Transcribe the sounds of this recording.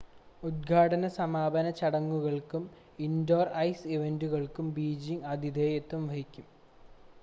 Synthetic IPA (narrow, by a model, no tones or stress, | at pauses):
ud̪̚ɡʱaːɽɐnɐsɐmaːbʱɐnɐt͡ɕɐɽɐŋːuɣɐɭkum | indoːrɐjsiʋenduɣɐɭkumbiːd͡ʑiŋɡɐd̪ʱid̪ʱeːjet̪ːumʋɐɦikʲːum